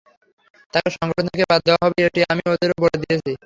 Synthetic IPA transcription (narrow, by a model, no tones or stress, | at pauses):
t̪akeʃɔŋɡɔʈʰont̪ʰekebad̪̚ʱːeoaɦɔbeeʈiamiod̪eɾoboɾed̪iet͡ɕʰi